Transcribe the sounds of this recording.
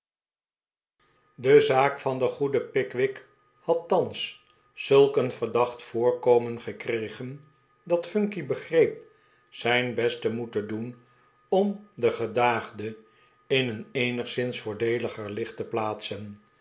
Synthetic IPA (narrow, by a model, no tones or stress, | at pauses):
dəzaːkfɑndəχudəpɪkʋɪk | hɑtːɑns | z̥ɵlˠkənvəɹdɑχtfʊːɹkowmənχəkrejχən | dɑtfɵŋkibəχrejp̚ | sɛjnbɛstəmutədun | ɔmdəχədaːχdə | ɪnənejnəχsɪnsfʊːɹdejləχəɹlɪχtəplaːtsən